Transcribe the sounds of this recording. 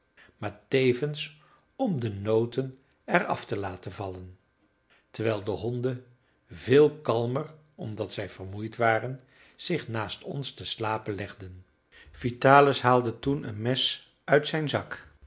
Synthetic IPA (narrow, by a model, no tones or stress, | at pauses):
maːɹtejvəns | ɔmdənowtən | ɛrɑ̰ftəlaːtənvɑlən | təɹʋɛjlˠdəɦɔndə | vɪːlˠkɑlˠmər | ɔmdɑtsɛjv̥ərmujtʋaːrən | z̥ɪχnaːstʰɔ̰nstəslaːpənlɛχdən | v̥itaːləsɦaːlˠdətunə̰nmɛs | œɥtsɛjnzɑk